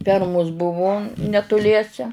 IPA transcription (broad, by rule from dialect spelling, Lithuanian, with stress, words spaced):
ˈfʲɛrmʊs ˈbʊʋʊ nʲɛtʊˈlʲiɛsʲɛ